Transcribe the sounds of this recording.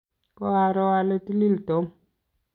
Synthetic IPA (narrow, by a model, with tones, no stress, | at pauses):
kɔ˦a˨ɾɔ˦wa˦˨le˦ti˦li˦lto˨˦m